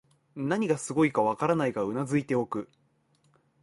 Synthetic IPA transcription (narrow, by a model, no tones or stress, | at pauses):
naɲ̟iɡasɨɡo̞ikaβ̞akaɾanaiɡaɯ̟nazɨit̪e̞o̞kɯ̟